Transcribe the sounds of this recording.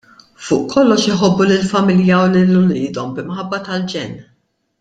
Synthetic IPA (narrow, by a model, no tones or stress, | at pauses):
fʊːʔkʰɔlːɔʃjɪħɔbːulɪlfɐmɪljɐwlɪlːʊlɪːd̪ɔmbmħɐbːɐt̪ɐld͡ʒɛnː